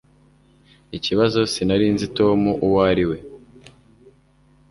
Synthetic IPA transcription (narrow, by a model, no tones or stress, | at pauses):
iciβazo̞sinaɾiːnzito̞ːmuʔuwaːɾiwe̞